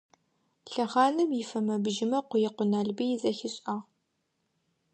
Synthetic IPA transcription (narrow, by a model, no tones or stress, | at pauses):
ɬɐʁɑːnɨmjɪfɐmɐbʒɪmɐqʷʊjɪqʷʊnaːɮbijɪzɐxɪɕʼɐʁ